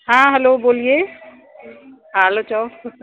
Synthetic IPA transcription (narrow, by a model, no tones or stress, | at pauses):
ɦãɦɛloboːlije | ɦãɦɛlot͡ʃaw